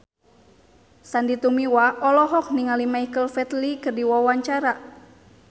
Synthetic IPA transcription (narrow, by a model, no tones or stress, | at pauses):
sandit̪umiwaʔɔlɔɦɔk̚niŋalimaikəlfɛt̪likɨrdiwawaɲt͡ʃaɾa